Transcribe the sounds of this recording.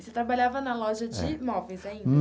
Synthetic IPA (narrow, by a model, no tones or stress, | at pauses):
set̪ɾabaʎavɐnɐlɔʒɐd͡ʒɪmɔvẽj̃zaĩ